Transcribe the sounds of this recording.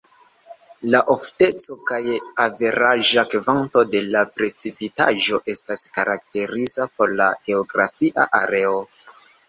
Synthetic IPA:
laʔofte̞t͡so̞kajave̞ɾaʒakvanto̞de̞lapɾe̞t͡sipitaʒo̞ʔe̞staskaɾak̚te̞ɾizapo̞ɾla̰ɡ̥e̞oɡɾa̰fiʔa̰ʔaɾe̞o

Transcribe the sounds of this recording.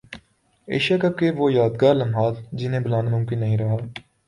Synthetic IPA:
ḛːʃaːkəb̚keʋoːjaːd̪ɡaːɾləmɦaːzd͡ʒɪnẽːbɪlaːnmʊ̃mkɪnːəɦĩɾəɦaː

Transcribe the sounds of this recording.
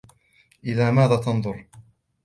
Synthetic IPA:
ʔɪðaːmaːðaːt̪ɑnðˤʊɾ

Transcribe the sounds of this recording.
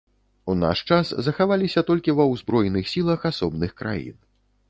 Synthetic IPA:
una̰ʂt͡ʂaszɐxavalʲisʲɐt̪ɔlʲkʲivɐwzbɾɔjnɨxsʲilˠɐxasɔbnɨxkɾa̰jḭn

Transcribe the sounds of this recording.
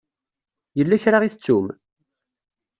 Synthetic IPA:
jəlːæçɾaʁiθət͡sːum

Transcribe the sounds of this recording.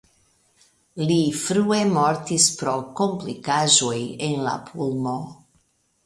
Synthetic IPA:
lifɾue̞mo̞ɾtispɾo̞ko̞mplikaʒo̞jenla̰pʰulmo

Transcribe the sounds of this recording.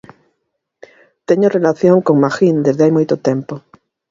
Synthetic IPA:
t̪eɲorelaθjoŋkoŋmaxĩnd̪ezðeajmojt̪ot̪empo

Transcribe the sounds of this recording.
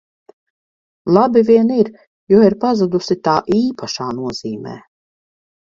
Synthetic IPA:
lˠabivʲiɛniɾ | juɔiɾpazad̪usit̪aːʔiːpʰaʃaːnuɔziːmɛ̰ː

